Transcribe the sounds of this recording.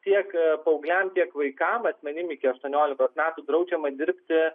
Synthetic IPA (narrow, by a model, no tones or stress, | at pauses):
t̪ʲiɛkpɐʊɡlʲɛmt̪ʲiɛkʋɐɪkɐmɐsʲmʲɛnʲɪmɪkʲɪɐʃt̪uɔnʲoːlʲɪkt̪oːsmʲæːt̪uːd̪ɾɐʊd͡ʒʲɛmɐd̪ʲɪɾʲpʲt̪ʲɪ